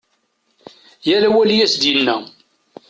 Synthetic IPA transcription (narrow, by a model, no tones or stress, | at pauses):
jælæwæljæsd̪jənːæ